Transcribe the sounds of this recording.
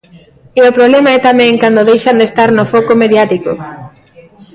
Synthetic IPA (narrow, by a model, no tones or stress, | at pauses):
eopɾoβlɛmaɛt̪amɛ̃ŋkand̪oðejʃand̪est̪aɾnofɔkomeðjat̪iko